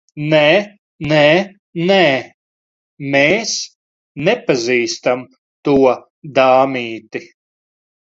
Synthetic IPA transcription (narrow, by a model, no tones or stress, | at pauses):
nɛː | nɛː | nɛː | meːs | nepaziːst̪am | t̪uɔ | d̪aːmiːt̪i